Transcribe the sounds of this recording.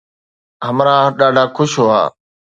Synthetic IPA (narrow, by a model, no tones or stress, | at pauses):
ɦəmɾãːɗaːɖʱaːkʰʊʃɦoːa̰ː